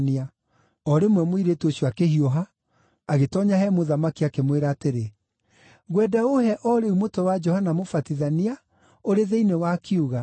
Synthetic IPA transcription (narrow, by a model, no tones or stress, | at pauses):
nia | ɔɾemwɛmoiɾetoɕuakehiɔɦaː | ɣetɔɲaɦɛmoðamakiakemweɾaːteɾe | ɣwɛdaohɛʔɔɾeumotɔwad͡ʒɔhanamofatiðania | oɾeðeinewakʰiuɣa